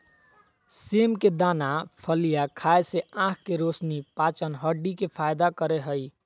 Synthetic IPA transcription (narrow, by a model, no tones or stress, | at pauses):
semked̪anapʰəlijakʰaeseãkʰkeɾosnipat͡ʃənɦəɖikepʰajd̪akəɾeɦəj